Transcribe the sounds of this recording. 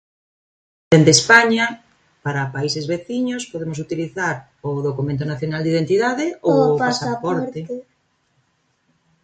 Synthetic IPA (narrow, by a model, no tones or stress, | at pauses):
d̪̥end̪espaɲɐ | paɾɐpaisezβeθiɲospoðemos̬ut̪iliθaɾ | oðokumẽnt̪̬onaθjonald̪ið̞ent̪iðaðeopasapɔɾt̪e